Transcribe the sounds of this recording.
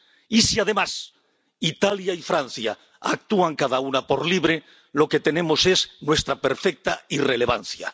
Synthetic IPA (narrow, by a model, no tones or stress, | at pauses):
isiað̞e̞mas | it̪aljaifɾan̟θja̰ | a̰k̚t̪uaŋkaðaunapoɾliβɾe | lo̞ke̞t̪e̞ne̞mo̞se̞znwe̞st̪ɾape̞ɾfek̚t̪aire̞le̞β̞a̰n̟θja̰